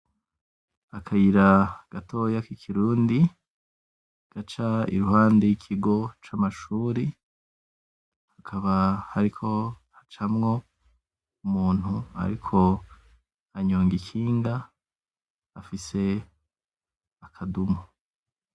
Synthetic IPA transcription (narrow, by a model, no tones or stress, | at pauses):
akʰajiɾaɡ̥atʰo̞ːjakikʰiɾuːndi | ɡ̥at͡ʃaḭɾuɦaːndejikʰiɡo̞t͡ʃamaʃuːɾi | hakʰaβahaɾikʰo̞hat͡ʃamŋo̞ | umuːn̥hua̰ɾikʰo̞ | aɲoːŋɡikʰiːŋɡa | afise̞ | akʰadumo